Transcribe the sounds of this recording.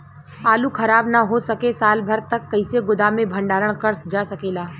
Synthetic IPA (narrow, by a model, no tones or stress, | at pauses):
aːlukʰɐɾaːbnaɦosɐkesaːlbʱɐɾt̪ɐkːɐɪseɡʊd̪amẽbʱɐ̃ɳɖaːɾəɽ̃kəɾd͡ʒaːsɐkeːlaː